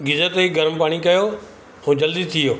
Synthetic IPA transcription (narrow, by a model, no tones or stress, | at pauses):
ɡɪzət̪eiɡɐɾmpaːɽ̃ikɐjoː | ɦũːd͡ʑɐld̪it̪ʰijoː